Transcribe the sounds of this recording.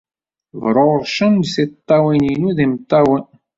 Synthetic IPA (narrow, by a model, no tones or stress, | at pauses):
vɾˤoɾðʃəndsit̪ˤːɑwininuðimt̪ˤːɑwən